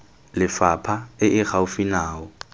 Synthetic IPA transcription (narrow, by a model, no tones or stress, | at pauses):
lɪfapʰaɪʔɪχaʊfinaːɔ